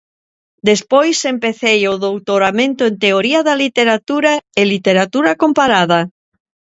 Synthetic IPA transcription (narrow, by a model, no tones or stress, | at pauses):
d̪espojsempeθejoðowt̪oɾamẽnt̪oẽnt̪eoɾiaðalit̪eɾat̪uɾaelit̪eɾat̪uɾakompaɾaða